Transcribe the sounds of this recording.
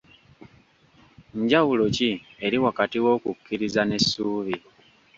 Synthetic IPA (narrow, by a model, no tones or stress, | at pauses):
ɲɟawulo̞cie̞ɾiwakatiwo̞ːkukʰːiɾizane̞sːuːβi